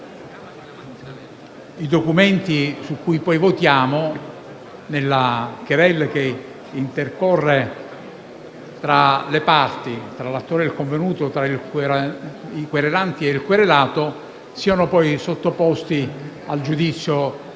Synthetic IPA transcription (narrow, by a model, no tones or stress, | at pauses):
id̪okument̪isukːujpɔjvot̪jaːmo | nelːak̟eɾɛlːk̟e | int̪erkɔrːe | t̪ɾalepart̪it̪ɾalat̪ːoːɾeilkoɱvenuːt̪ot̪ɾail | ikweɾelant̪ieilkweɾelaːt̪o | siːanopɔjsot̪ːopɔst̪i | ald͡ʒud̪it̪sːjo